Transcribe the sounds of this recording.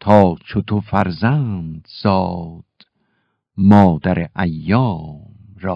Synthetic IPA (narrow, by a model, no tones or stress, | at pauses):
t̪ʰɒːt͡ʃʰot̪ʰofæɾzænd̪̥z̥ɒːd̪̥ | mɒːd̪æɾeʔæjːɒːmɾɒː